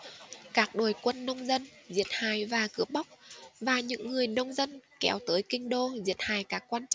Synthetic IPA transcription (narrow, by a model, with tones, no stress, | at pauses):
kaː˦˥k̚ɗo˨˩jkwə˧nːə˧wŋ͡mzə˧nzi˨˩ət̚haː˨˩jvaː˨˩kɨ˨˦əp̚ɓa˦˥wk͡p̚vaː˨˩ɲɨ̰˧˥ŋːɨ˨˩əjnə˧wŋ͡mzə˧nkɛ˨˦wt̪əː˨˦jkï˧ŋ̟ɗo˧zi˨˩ət̚haː˨˩jkaː˦˥kːwaː˧nt͡ɕ